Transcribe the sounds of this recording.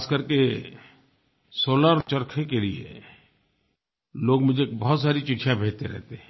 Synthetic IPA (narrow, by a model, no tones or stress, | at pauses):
aːskɐɾke | soːləɾt͡ʃɐɾkʰekeliḛ | loːɡmʊd͡ʒʱekbɐɦɔt̪saːɾit͡ʃɪʈʰijãbʱeːd͡ʒt̪eɾɛ̰ɦt̪eɦɛ̃ː